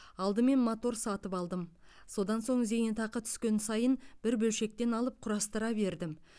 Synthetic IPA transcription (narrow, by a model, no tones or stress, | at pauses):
ɑlˠd̪əme̞nmot̪o̞ɾsɑt̪əpɑlˠd̪əm | so̞d̪ɑnso̞ɴze̞jnet̪ɑqət̪ʰʏ̥skʲe̞nsɑjənb̥ɪɾbɵlʃe̞k̚t̪e̞nɑlˠəp̚qʰʊɾɑst̪əɾɑbe̞ɾd̪ɪm